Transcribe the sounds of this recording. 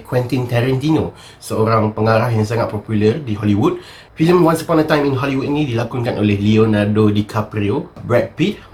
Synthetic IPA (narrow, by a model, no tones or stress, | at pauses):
kʰwɛ̃nt̪int̪ɛɾɛ̃nt̪ino | səoɾãŋpəŋaɾahjaŋs̬aŋat̪̚pɔpjulərdiɦɔliwud̚ | filə̃mwãnsə̥pɔ̃ndətãj̃mĩnɦɔliwut̚nĩdilakuŋkanʔolehlionadodikʰapɾiobɹɛk̚pit̪̚